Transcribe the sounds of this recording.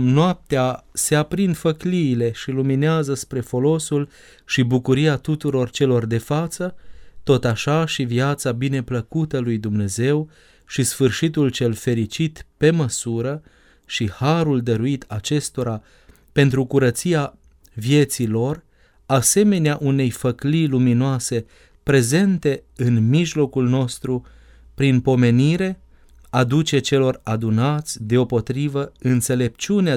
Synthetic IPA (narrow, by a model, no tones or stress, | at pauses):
noap̚t̪ease̞apɾind̪fəkliːle̞ʃilumineazəspɾe̞fo̞lo̞sul | ʃibukuɾiat̪ut̪uɾo̞rt͡ʃe̞lo̞rd̪e̞fat̪sət̪o̞t̪aʃaʃivijat̪sabine̞pləkut̪əlujd̪umne̞ze̞w | ʃisfɨrʃit̪ult͡ʃe̞lfe̞ɾit͡ʃit̪pe̞məsuɾə | ʃihaɾuld̪əɾuit̪at͡ʃe̞st̪o̞ɾa | pe̞nt̪ɾukuɾət̪sia | vje̞t̪silo̞r | ase̞me̞neaʔune̞jfəkliluminoase̞ | pɾe̞ze̞nt̪e̞ɨnmiʒlo̞kulno̞st̪ɾu | pɾinpo̞me̞niɾe̞ | ad̪ut͡ʃe̞t͡ʃe̞lo̞rad̪unat̪sʲd̪e̞o̞po̞t̪ɾivəɨnt̪se̞le̞pt͡ʃunea